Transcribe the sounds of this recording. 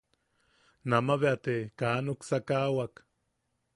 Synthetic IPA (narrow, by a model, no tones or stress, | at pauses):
namaβeat̪ekaːnuksakawak